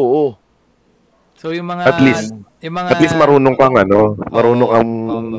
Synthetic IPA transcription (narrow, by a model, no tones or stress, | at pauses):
oʔo | ɐt̪list̪̚ʔɐt̪list̪̚mɐɾuːnoŋkɐŋɐnomɐɾuːnoŋɐŋ